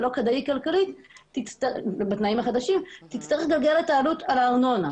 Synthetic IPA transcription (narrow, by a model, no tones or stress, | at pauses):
lo̞kad̪aikalkalit̪ | tit͡st̪abat̪naimaχad̪aʃimt̪it̪t͡st̪ɐʁeχɡalɡelet̪aːlut̪alaːʁno̞na